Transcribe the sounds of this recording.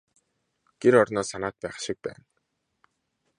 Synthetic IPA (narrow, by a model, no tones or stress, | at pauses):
ɡ̥eɾɔɾnɔːsanaːt̪̚pæːχʃik̚pæ̰ːn